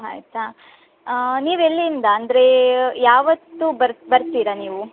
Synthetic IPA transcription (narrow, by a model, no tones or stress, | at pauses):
ɦa̰jt̪a | niːʋelːiind̪ɐːnd̪ɐɾe̞jaːʋɐt̪ːubɐɾbɐɾt̪iːɾɐniːʋu